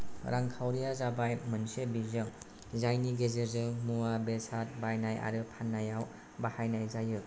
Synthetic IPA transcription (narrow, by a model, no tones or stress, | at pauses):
ɾʔaŋkʰawɾijazabajmɯnsebizɯŋ | zajniɡezɯɾzɯŋmuwabesat̚bajnaja̰ɾɯpʰanːajaw | bahajnajzajɯ